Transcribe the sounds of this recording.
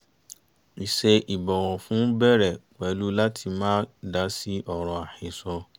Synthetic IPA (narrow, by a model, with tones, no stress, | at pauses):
i˨se˧ʔi˨bɔ˨w̃ɔ̃˨fũ˨˦bɛ˦˨ɾɛ˨k͡pɛ˨˦lu˦la˦tʰi˧mãː˦da˨˦si˦ʔɔ˦˨ɾ̃ɔ̃˨˧a˨hĩ˨sɔ˧